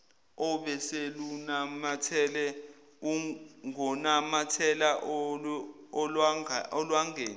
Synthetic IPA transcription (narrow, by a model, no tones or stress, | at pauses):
ɔɓɛselunamatʰɛlɛ | uŋɔnamatʰɛlaʔ | ɔlwaŋʱeːn